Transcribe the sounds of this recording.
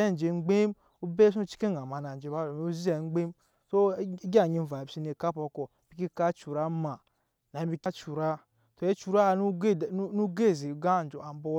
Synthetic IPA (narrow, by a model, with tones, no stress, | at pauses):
e˦n˨d͡ʒe˨ŋ͡m̩˦ɡ͡be˦m | u˦be˦s̬u˦t͡ʃi̥˦ke˦˨a˨ma˨na˨n˨d͡ʒe˨˦ba˦˨o˨m˨˦u˦zi˦e˨ŋ͡mɡ͡be˦m | so˦ɡa˦˨ɲi˦m̩˦va˨bsi˦ne˨ka˦po˨ko˨ | b̥i˨˦ki˦ka˦t͡ʃu˨ɾa˦ma˨ | na˨˦bi˦ka˦t͡ʃu˨ɾa˦ | to˨e˦t͡ʃu˨ɾa˦˨n˦˨˦nu˦ɡe˦˨zi˨ɡa˦˨n˨d͡ʒo˨a˨m˦bo˦